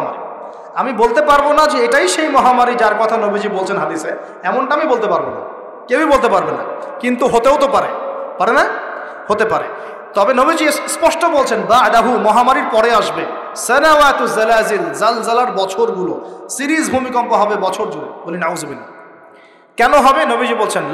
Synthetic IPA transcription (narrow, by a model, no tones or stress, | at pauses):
ma̰ɾḭ | amibolt̪epaɾbonad͡ʑeeʈajʃejmɔɦamaɾid͡ʑaɾkɔt̪ʰanobʱid͡ʑibolt͡ɕʰenɦad̪ise | ɛmoɳʈaamibolt̪epaɾbona̰ | kebibolt̪̬epaɾbena̰kint̪uɦot̪eot̪opaɾepaɾena | hot̪epaɾḛ | t̪ɔbenobʱid͡ʑiespɔʃʈobolt͡ɕʰenbad̪aɦumɔɦamaɾiɾpɔɽeaʃbe | sɛnawat̪uzelazilzalzalaɾbɔt͡ɕʰoɾɡulosiɾizbʱumikɔmpoɦɔbebɔt͡ɕʰoɾd͡ʑoɾḛbolinauzobina | kɛnoɦɔbenobʱid͡ʑibolt͡ɕʰen